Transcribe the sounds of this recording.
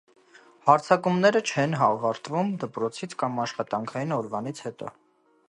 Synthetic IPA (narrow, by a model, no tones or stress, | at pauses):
hɑɾt͡sʰɑkumnɛɾət͡ʃʰɛnɦɑvɑɾt̪vumd̪əpɾɔt͡sʰit͡sʰkɑmɑʃχɑt̪ɑŋkʰɑjinɔɾvɑnit͡sʰhɛt̪ɔ̰